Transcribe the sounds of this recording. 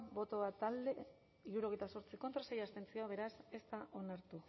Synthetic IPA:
bo̞t̪o̞at̪ald̪e̞ | iɾuɾo̞ɣ̞ejt̪aso̞ɾt͡siko̞nt̪ɾase̞jast̪e̞nt͡sio̞aβ̞e̞ɾase̞st̪aʔo̞naɾt̪u

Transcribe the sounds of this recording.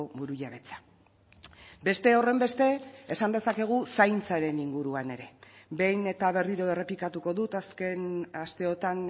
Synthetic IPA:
obuɾuʎaβ̞e̞t͡sḁ | be̞st̪e̞o̞re̞mbe̞st̪e̞esand̪e̞sake̞ɣ̞usajnt͡saɾe̞niŋɡuɾuane̞ɾe̞be̞jne̞t̪aβ̞e̞riɾo̞e̞re̞plikat̪uko̞ðut̪askenast̪e̞o̞t̪an

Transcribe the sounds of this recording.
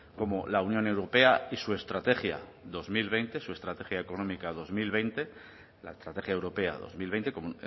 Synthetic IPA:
ko̞mo̞launjone̞wɾo̞pe̞aisue̞st̪ɾat̪e̞xja̰ðo̞zmilβejnt̪e̞sue̞st̪ɾat̪e̞xjaeko̞no̞mikaðo̞zmilβ̞e̞jnt̪e̞ | la̰est̪ɾat̪e̞xjae̞wɾo̞pe̞a̰ðo̞̰zmilβe̞jnt̪e̞komu

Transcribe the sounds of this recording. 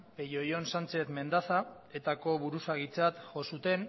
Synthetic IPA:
pejo̞jo̞nsant͡se̞θme̞nd̪asa | e̞t̪ako̞βuɾusaɣit͡sat̪ʝo̞sut̪e̞n

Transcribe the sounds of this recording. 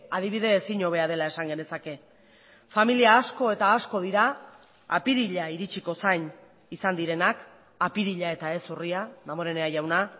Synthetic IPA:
að̞iβ̞iðe̞ːsiɲo̞β̞e̞aðe̞lae̞saŋɡe̞ne̞sake̞ | familiaːsko̞e̞t̪aːsko̞ð̞iɾa̰ː | piɾiʎaiɾit͡ʃiko̞sajn | isand̪iɾe̞nak | apiɾiʎae̞t̪ae̞suriaðamoɾe̞neajawna

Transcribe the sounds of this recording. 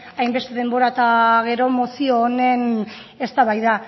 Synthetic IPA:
ajmbe̞st̪e̞ðe̞mboɾat̪aɣ̞e̞ɾo̞mosioːne̞n | e̞st̪aβajða

